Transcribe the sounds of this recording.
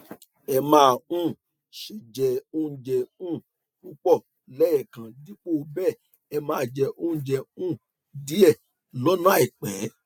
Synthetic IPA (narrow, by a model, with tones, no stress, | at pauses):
ɛ˧mãː˦˨ũ˦˨ | ʃi˨d͡ʒɛ˨o˧˦d͡ʒɛ˧ũ˦˨ | u˦k͡pɔ˦˨ | lɛ˦jɛ˨kã˨di˨˦k͡po˦˨˧bɛː˦˨ | ɛ˧mãː˦˨d͡ʒɛ˧ʔo˧˦ũ˦d͡ʒɛ˧ũ˦˨ | di˨˦ɛ˦˨ | lɔ˨˦nã˦˨i˨k͡pɛ˨˦